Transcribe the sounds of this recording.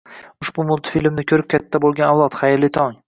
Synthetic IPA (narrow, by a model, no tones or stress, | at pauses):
ʊʃbʊmʊlˠt̪filʲmnɪkʲʰɵɾɪp̚kʲʰat̪ʰːabolˠɡʲanawlˠɒt̪χajɪɾlɪt̪ʰɒŋ